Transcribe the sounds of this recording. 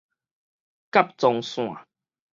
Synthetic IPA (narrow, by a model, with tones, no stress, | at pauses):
ka˦p̚t͡sɔ˧ŋsw̃ã̰˨